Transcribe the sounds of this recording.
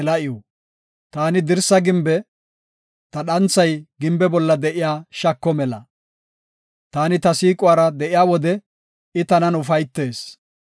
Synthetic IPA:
lɐʔɪjo | t̪aːnɪd̪ɪɾsːɐɡɪmbɛ | t̪ɐɗɐnt͡sːɐjɡɪmbɛbɔlːɐd̪ɛʔɪjaːʃɐkːɔmɛlɐ | t̪aːnɪt̪ɐsiːkʼʊwaːɾɐd̪ɛʔɪjaːwɔd̪ɛ | ɪt̪ɐnɐnʊfɐjt̪ːe̞ːs

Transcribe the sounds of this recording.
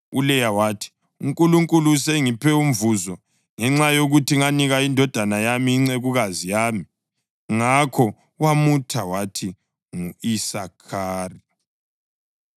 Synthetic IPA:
ulɛjawaːtʰi̥ | uŋkʼuluŋkʼulusɛŋipʰɛum̩vuzɔ | ŋɛŋ͡ǁajoɣutʰiŋaniɣaindʱɔd̥ʱanajamiːŋ͡ǀeɣuɣazijaːmi | ŋakʰɔ | wamutʰawatʰi | ŋuisakʰaːri

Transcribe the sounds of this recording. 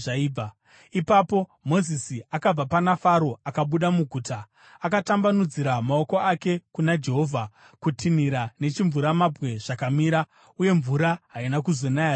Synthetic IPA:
ʐaiːba | ipapo̞mo̞zisiakab͡vapanafaɾo̞akaɓuɗamuɡʱuːta | akatambanud͡ziɾamaoko̞ake̞kunad͡ʒe̞ɦo̞vʱa | kutʰiniɾane̞t͡ʃiɱvuɾamabwe̞ʐ̥akamiːɾa | uje̞ɱvuɾaɦainakuzo̞naja

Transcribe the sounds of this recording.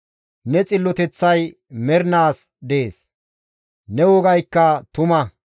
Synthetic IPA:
nɛt͡sʼɪlːɔt̪ɛt͡sːɐj | mɛɾnaːs | d̪eeːs | nɛwɔɡɐjkːɐt̪ʊmɐ

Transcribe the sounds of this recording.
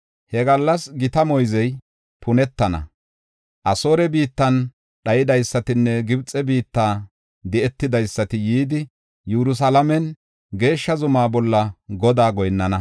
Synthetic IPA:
hɛɡɐlːɐsɡɪt̪ɐmɔjzɛj | pʰʊnɛt̪ːɐnɐ̰ | ʔɐso̞ːɾɛbiːt̪ːɐn | ɗɐjɪd̪ɐjsːɐt̪ɪnːɛɡɪbt͡sʼɛbiːt̪ːaː | d̪ɛʔɛt̪ːɪd̪ɐjsːɐt̪ɪjiːd̪ɪ | jɛɾʊs̬ɐlɐmɛn | ɡe̞ːʃːɐzʊmaːbɔlːɐɡɔd̪aːɡɔjnːɐnɐ

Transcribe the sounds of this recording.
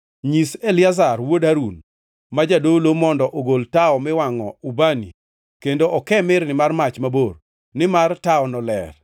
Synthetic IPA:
ɲiselɪazarwodaɾun | mad͡ʒadolomɔndɔʔoɡoltaɔmɪwaŋɔ̰ubanḭ | kendoʔɔkɛmɪrnɪmarmat͡ʃmabor | nɪmartaɔnɔlɛ̰r

